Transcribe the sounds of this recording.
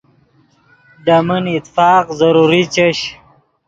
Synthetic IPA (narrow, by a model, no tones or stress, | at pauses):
ɖaminit̪fɑːqzaɾuɾit͡ɕeɕ